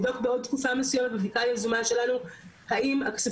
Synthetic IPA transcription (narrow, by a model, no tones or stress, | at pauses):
d̪okbeo̞d̪̚t̪̚kufamesujemet̪bevikaljazumaʃe̞lanuhaimakse